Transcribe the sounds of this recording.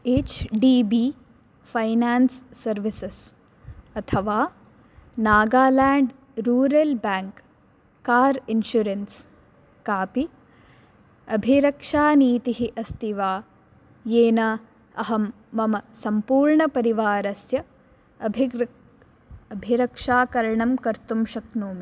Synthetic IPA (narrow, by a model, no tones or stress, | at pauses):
eːt͡ʃɖiːbiː | fʰɐjnaːnsːɐɾʋises | ɐt̪ʰɐʋaː | naːɡaːlaːɳɖ | ɾuːɾɐlbaːŋkː | aːɾinʃuɾens | kaːpi | ɐbʱiɾɐkʂaːniːt̪iɦiʔɐst̪iʋaː | jeːnɐ | ɐɦɐmː | ɐmɐsɐmpuːɾɳɐpɐɾiʋaːɾɐsjɐ | ɐbʱi | ɐbʱiɾɐkʂaːkɐɾɐɳɐmkɐɾt̪umʃɐknuːmi